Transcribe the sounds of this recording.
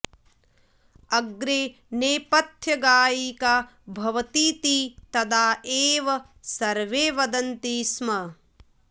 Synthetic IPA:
ɐɡɾeː | neːpɐt̪ʰjɐɡaːjiːkaː | bʱɐʋɐt̪iːt̪iːt̪ɐd̪aːʔeːʋɐ | sɐɾʋeːʋɐd̪ɐnt̪iːsmɐ

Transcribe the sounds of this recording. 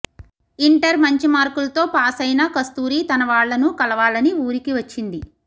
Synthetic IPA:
iɳʈɐɾmɐɲt͡ʃimaːɾkulɐt̪o̞ːpaːsɐjnɐkɐst̪uːɾiːt̪ɐnɐʋaːɭːɐnukɐlɐʋaːlɐniuːɾikiʋɐt͡ʃːind̪i

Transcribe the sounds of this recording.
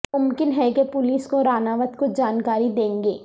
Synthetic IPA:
ʊmkɪnɦɛkepʊliːskoɾaːnaːʋət̪kod͡ʒaːnkaːɾid̪ẽːŋɡeː

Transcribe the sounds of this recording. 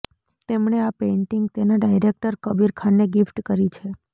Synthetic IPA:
t̪emɳ̃eapeɳʈiŋɡ̚t̪enaɖajɾek̚ʈəɾkəbiɾkʰanːeɡifʈkəɾit͡ʃʰe

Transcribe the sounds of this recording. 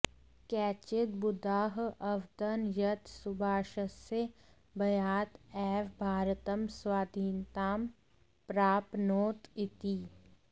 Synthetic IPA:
kɛːt͡ʃɪt̪̚bʊd̪aːɦɐwʋt̪ənjət̪sʊbʱaːʃəse | bɐjaːt̪ɛːʋbʱaːɾt̪əmswaːd̪ʱiːnt̪aːm | pɾaːpnoːt̪ɪt̪iː

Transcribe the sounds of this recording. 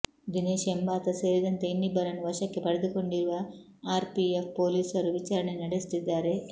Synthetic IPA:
d̪ineːʃembaːt̪ɐse̞ːɾid̪ɐnt̪e̞inːibɐɾɐnuʋɐʃɐkːe̞pɐɽed̪uko̞ɳɖiɾuʋɐ | aːɾpiepʰpo̞ːliːsɐɾuʋit͡ʃaːɾɐɳe̞nɐɽest̪id̪ːaːɾe̞

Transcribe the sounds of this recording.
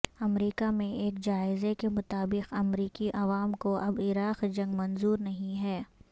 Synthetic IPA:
ɐmɾiːkamẽeːkd͡ʒaːɪzekemʊt̪aːbɪqɐmɾiːkiʔɐʋaːmkoʔɐbɪɾaːqd͡ʒɐ̃ŋɡmɐ̃nzuːɾnɐɦĩɦɛː

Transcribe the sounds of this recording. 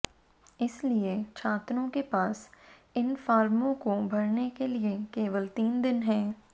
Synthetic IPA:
ɪsliet͡ʃʰaːt̪ɾõkepaːsɪnfaːɾmõkobʱɐɾnekeliekeːʋəlt̪iːnd̪ɪnɦɛː

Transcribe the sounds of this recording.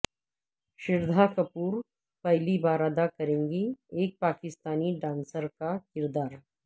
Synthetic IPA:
ʃɪɾd̪ʱakɐpuːɾ | pɐɦlibaːɾaːd̪akɐɾẽːŋɡieːk̚paːkɪst̪aːniɖãːnsəɾkakɪɾd̪aːɾ

